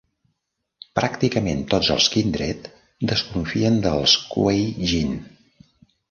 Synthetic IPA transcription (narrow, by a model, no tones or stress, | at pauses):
pɾakt̪ikəment̪ozə̰lˠskind̪ɾɛt̪ | d̪əskuɱfiənd̪əlˠskwejʒin